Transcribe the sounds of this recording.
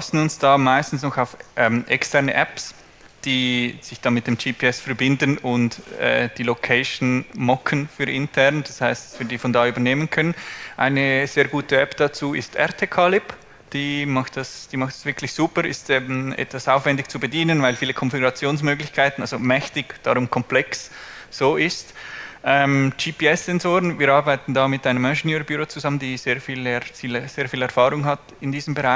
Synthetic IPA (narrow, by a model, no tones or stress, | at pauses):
sn̩ʊnsd̥aːmaɪstn̩snɔxaʊfʔɛːmʔɛkstʰɛʁnəʔɛps | d̥iːz̥ɪçd̥ɑnmɪt̚d̥eːmd͡ʒiːpʰeːɛsfɛʁbɪndənʊntɛ̰ːd̥iːlokʰeɪʃn̩mɔkʰənfyːɾʔɪntʰɛʁnd̥ɑshaɪstsv̥iːdiːfɔndaːyːbɐneːmənkʰœnənʔa̰ɪnəz̥eːɐɡuːtəɛpd̥at͡suːɪ̰stʔɛ̰ɐtʰeːkʰalɪp | d̥iːmɑχtd̥asd̥iːmɑχtsv̥ɪkʰlɪçz̥uːpəɾɪ̰stɛbm̩ɛ̰tv̥asaʊfv̥ɛndɪçt͡subediːnənvaɪlfiːləkʰɔnfɪɡʊʁɑt͡sjoːnsmøːɡlɪçkʰaɪtn̩alzomɛçtɪɡd̥aɾʊmkʰɔmplɛks | z̥oːʔɪstʔɛmd͡ʒiːpʰiɛsz̥ɛnzoːʁənviːɾɑːʁbaɪtn̩daːmɪtʔaɪnəmɛʒɪniːɾbyʁɾot͡suzaməndiːzeːɐfiːlɛsiːləz̥eːɐfiːlɛɐʁfaːʁʊŋɦat | ɪndiːzəm̩bəʁaɪ